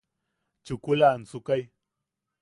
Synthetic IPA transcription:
t͡ʃʊkulant͡sʊkaj

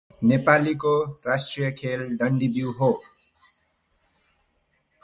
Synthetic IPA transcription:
nepalikorasʈrijʌkʰelɖʌɳɖibiwɦo

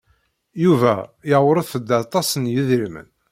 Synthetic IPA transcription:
juvæ̰jəʁwɾˤəðθəd̪ːat̪ˤɑsənjiðɾimə̰n

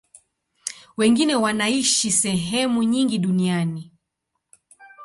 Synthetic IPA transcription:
wɛŋɡinɛwanaiʃisɛɦɛmuɲiŋɡiɗuniani

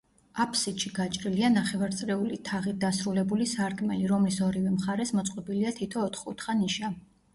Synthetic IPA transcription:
apʰsit̪ʃiɡat͡ʃʼɾilianaχɛvaɾt̪sʼɾɛulit̪ʰaʁit̪̚d̪asɾulɛbulisaɾkʰʼmɛliɾɔmlisɔɾivɛmχaɾɛsmɔt̪sʼqʼɔbiliat̪ʰit̪ʰɔːt̪ʰχut̪ʰχaniʃa

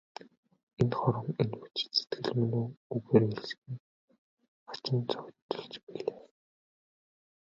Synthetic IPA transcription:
enχɔɾə̆ŋenut͡ɕse̥t̪ɡɘ̆ɮmɵnoːɵɣeːɾeɮsxɘ̆ŋ | ḁt͡ɕɪ̆nt͡sœkʲt̪ːɞ̥̆ɮt͡ɕpiɮeː

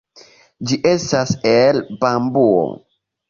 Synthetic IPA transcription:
d͡ʒiʔe̞staselbambuo̰

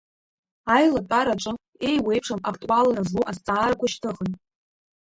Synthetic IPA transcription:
ajlatʼaɾat͡ʃʷʼɨ | ejwe̞jpʰʂamakʰtʼuwalrazluʔast͡sʼaːrakʷaʃtʰɨχən

